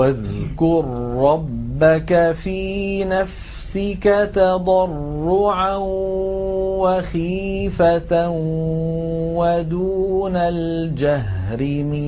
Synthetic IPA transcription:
waðkʊɾːɑbːakafiːnaf | sɪkat̪ɑd̪ˤɑrːʊʕa | waxiːfat̪a | wad̪uːnal | d͡ʒaɦ | ɾɪmɪ

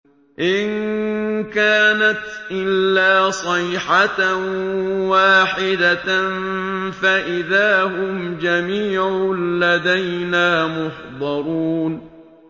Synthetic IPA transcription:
ʔɪn | kaːnat̪ʔɪlːaːsˤɨjħat | waːħɪd̪anfaʔɪðaːhʊmd͡ʒamiːʕʊlad̪ajnaːmʊħd̪ˤɑɾˤuːn

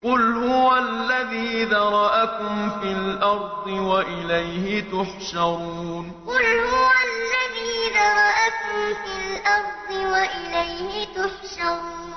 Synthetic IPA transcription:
qʊlhʊwalːaðiːðɑɾˤɑʔakʊmfilʔɑɾˤd̪ˤɨwaʔɪlajhɪt̪ʊħʃɑɾˤuːn | qʊlhʊwalːaðiːðɑɾˤɑʔakʊmfiːlʔɑɾˤd̪ˤɨwaʔɪlajhɪt̪ʊħʃɑɾˤː

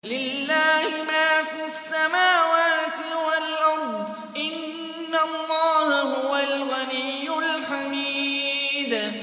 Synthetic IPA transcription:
lɪlːaːhɪmaːfiasːamaːwaːt̪ɪwalʔɑɾˤd̪ˤ | ʔɪnː | alˤːɑːhahʊwalɣanijːʊlħamiːd̪

